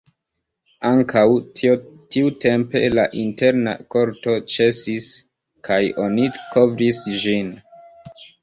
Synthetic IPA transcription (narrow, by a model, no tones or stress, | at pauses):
aŋkʰaw | tiute̞mpe̞̰laʔinte̞ɾna̰ko̞ɾto̞t͡ʃe̞sis | kʰajo̞nikʰo̞vɾisʒin